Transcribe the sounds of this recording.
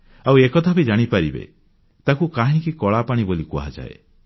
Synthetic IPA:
awekɔt̪ʰabid͡ʒaɽ̃ipaɾibḛ | t̪akukaɦĩkikɔɭapaɽ̃ibolikua̰d͡ʒa̰ḛ

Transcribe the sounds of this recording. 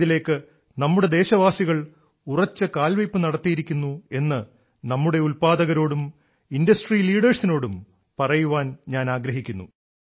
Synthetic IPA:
ile̞ːkːɨ | nɐmːuɽe̞d̪e̞ːɕɐʋaːsiɣɐɭ | urɐt͡ɕːɨkaːlʋɐjpːɨnɐɽɐt̪ːijiɾikʲːunːue̞nːɨ | nɐmːuɽe̞ulpaːd̪ɐɣɐɾo̞ːɽum | indɐsʈriːliːɽɐrsino̞ːɽum | pɐrɐjuʋaːnɲaːnaːɡɾɐɦikʲːunːṵ

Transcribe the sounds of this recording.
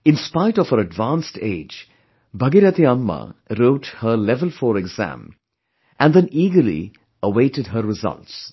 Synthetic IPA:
ɪ̃nspaɪɾɔv̥əɾəɖʋãnstḛːd͡ʒ | bʱʌɡiɾət̪iʌmːə̰ɾoːʈhəlɛvəlˠfɔɾɛɡz̥æ̰̃m | ʔæ̃nd̪ɛ̃niːɡəɾlḭ | əweɪʈɨd̚ɦəɾːɪzʌ̰lts

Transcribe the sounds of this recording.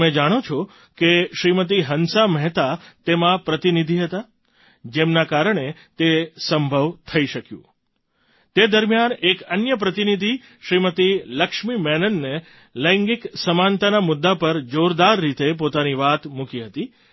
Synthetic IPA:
mẽd͡ʒaɽ̃ot͡ʃʰo | keʃɾimət̪̬iɦənsamɛɦt̪at̪emãpɾət̪inid̪ʱiɦət̪a | d͡ʒemnakaɾəɳet̪esəmbʱəʋt̪ʰəiʃəkjṵ̃ | t̪ed̪əɾmijanekənjəp̬ɾət̪inid̪ʱi | ʃɾimət̪iləkʃmimɛnənːe | ləŋɡiksəmant̪anamʊd̪ːapəɾd͡ʒoɾd̪aɾːit̪ep̬ot̪aniʋat̪mukiɦət̪i

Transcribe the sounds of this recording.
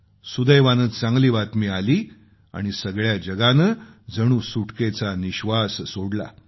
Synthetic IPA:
sud̪əjʋanəːt̪t͡sãŋɡliːʋat̪miːaliː | a̰ɽ̃isəɡɭjad͡ʑəɡanəd͡zəɽ̃uːsuʈket͡saniɕʋasːoɽla̰

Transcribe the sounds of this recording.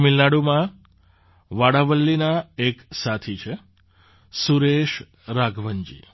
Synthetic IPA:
milnaɽumã | ʋaɽaʋəlːinaeksat̪ʰit͡ʃʰe | suɾeʃ | ɾaɡʱʋəɲd͡ʒḭ

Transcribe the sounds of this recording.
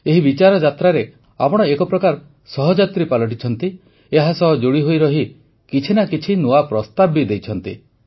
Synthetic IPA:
eɦibit͡ʃaɾɔd͡ʒat̪ɾaɾe | a̰pɔɽ̃ɔekɔpɾɔkaɾ | sɔɦɔd͡ʒat̪ɾipalɔʈ̬it͡ʃʰɔnt̪i | eɦasɔd͡ʒoɽiɦojɾɔɦi | kit͡ʃʰinakit͡ʃʰinuapɾɔst̪abid̪ejt͡ʃʰɔnt̪ḭ

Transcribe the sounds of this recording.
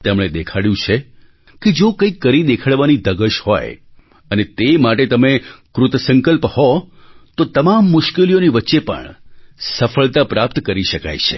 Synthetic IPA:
t̪emɳ̃ed̪ekʰaɽjũt͡ʃʰe | ked͡ʒokə̃ikːəɾid̪ekʰaɽʋanid̪əɡəʃhɔ̰j | ənet̪emaʈ̬et̪əmekɾʊt̪əsəŋkəlphɔ | t̪ot̪əmamːʊʃkelijoniʋətːʃepə̰ɳsəfəɭt̪apɾap̚t̪kəɾiʃəka̰jt͡ʃʰḛ

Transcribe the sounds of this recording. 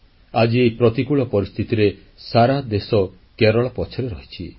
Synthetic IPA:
ad͡ʒipɾɔt̪ikuɭɔpɔɾist̪ʰit̪iɾe | saɾad̪esɔ | keɾɔɭɔpɔt͡ʃʰɔɾeɾɔɦi̥t͡ʃʰi

